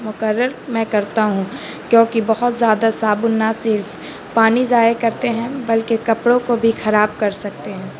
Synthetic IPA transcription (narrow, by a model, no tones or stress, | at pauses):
mʊkəɾːəɾmɛ̃kɐɾt̪aɦũ | kjõːkibɐɦɔt̪zjaːd̪asaːbʊnːasɪɾf | paːnizaːekɐɾt̪eɦɛ̃bɐlkekɐpɽõkobʱixɐɾaːb̚kɐɾsɐk̚t̪eɦɛ̃ː